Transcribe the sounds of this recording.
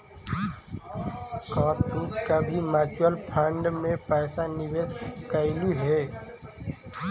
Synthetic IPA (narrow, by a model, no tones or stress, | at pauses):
kãːt̪ukabʱimaːt͡ʃəlpʰə̃ɳɖmẽpɛːsanɪʋeːskəɪluɦɛː